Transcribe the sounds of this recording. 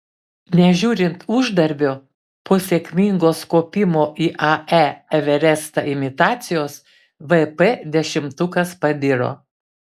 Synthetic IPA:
nʲɛʒʲuːɾʲɪnt̪ʊʒd̪ɐɾʲbʲoː | poːsʲeːkʲmʲɪŋɡoːskoːpʲɪmoːʔiːʔɐɛɛʋʲɛɾʲɛst̪ɐɪmʲɪt̪ɑːt̪sʲɪjoːs | ʋɛpɛd̪ʲɛʃʲɪmt̪ʊkɐspɐd̪ʲɪɾo̰ː

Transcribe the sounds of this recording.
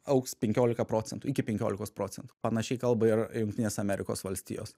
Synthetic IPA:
ɐʊkspʲɛŋʲkʲoːlʲɪkɐpɾoːt͡s̪ʲɛnt̪uɪkʲɪpʲɛŋʲkʲoːlʲɪkoːspɾoːtt͡ssʲɛnt̪u̥pɐnɐʃʲɛɪkɐlˠbɐɪrjʊŋkt̪ʲɪnʲeːsɐmʲɛɾʲɪko̰ːsʋɐlʲsʲt̪ʲḭjo̰ːs

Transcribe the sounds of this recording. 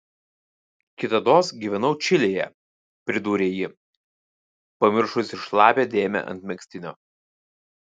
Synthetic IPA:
kʲɪt̪ɐd̪oːsɡʲiːʋʲɛnɐʊt͡ʃʲɪlʲeːjɛ̰ | pʲɾʲɪd̪uːɾʲeːjɪ | pɐmʲɪɾʃʊsʲɪʃlˠɑːpʲeːd̪ʲeːmʲɛ̰ʔɐ̰nt̪ʲmʲɛksʲt̪ʲɪnʲo̰ː

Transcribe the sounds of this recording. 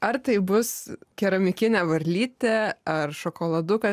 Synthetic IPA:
ɐrt̪ɐɪbʊskʲɛɾɐmʲɪkʲɪnʲɛːʋɐɾʲlʲiːt̪ʲɛɐrʃoːkoːlˠɐd̪ʊkɐ

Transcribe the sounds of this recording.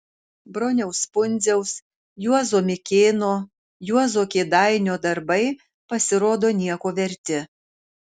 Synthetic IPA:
bɾoːnʲɛʊspʊnʲzʲɛʊs | juɔzoːmʲɪkʲeːnoː | juɔzoːkʲeːd̪ɑɪnʲoːd̪ɐɾbɐɪ | pɐsʲɪɾoːd̪oːnʲiɛkoːʋʲɛɾʲt̪ʲɪ

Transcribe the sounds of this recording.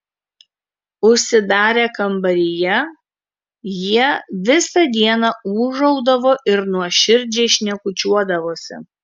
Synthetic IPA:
ʊʃʲsʲɪd̪ɑːɾʲeːkɐmbɐɾʲɪjɛ | jiɛʋʲɪsɐd̪ʲiɛnɑuːʒɐʊd̪ɐʋoːʔɪɾnuɔʃʲɪɾʲd͡ʒʲeːʃʲnʲɛkʊt͡ʃʲuɔd̪ɐʋoːsʲɪ̰

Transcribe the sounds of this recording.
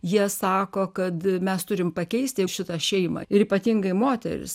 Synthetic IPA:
jiɛsɑːkoːkɐt̪mʲɛst̪ʊɾʲɪmpɐkʲɛɪsʲt̪ʲɪʃʲɪt̪ɐʃʲɛɪmɐ̰ɪɾiːpɐt̪ʲiŋɡɐɪmoːt̪ʲɛ̰ɾʲɪ̰s

